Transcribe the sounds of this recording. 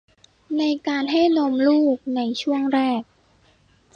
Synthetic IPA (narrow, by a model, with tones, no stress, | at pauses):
na˧jkaː˧nɦa˥˩jnoː˧mluː˥˩k̚na˧jt͡ɕʰu˥˩əŋɾɛː˥˩k̚